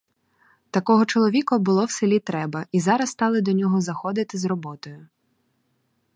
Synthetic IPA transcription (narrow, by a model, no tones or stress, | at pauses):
t̪ɐkɔɦɔt͡ʃɔlˠɔʋʲikɐbʊlˠɔwsɪlʲit̪ɾɛbɐʔizɑɾɐst̪ɑlˠɪd̪ɔnʲɔɦɔzɐxɔd̪ɪt̪ɪzrɔbɔt̪ɔjʊ